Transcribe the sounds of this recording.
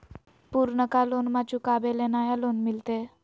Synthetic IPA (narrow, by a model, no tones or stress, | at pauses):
puɾɳəkalonmat͡ɕũkabelenajalonmilt̪e